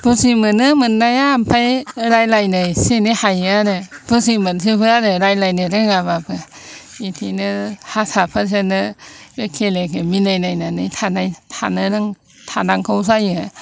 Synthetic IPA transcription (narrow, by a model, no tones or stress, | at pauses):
b̥usimɯnɯmɯnːajaːmpʰajɾajlajnɯjsenihajaɾɯbusimɯns̬ipɯaɾɯɾajlajnɯɾɯŋaβapʰɯ | itʰinɯhasapʰas̬enɯkʰelekʰeminajnajnanɯjtʰanajtʰanɯɾɯŋ | tʰanaŋkʰaws̬ajɯ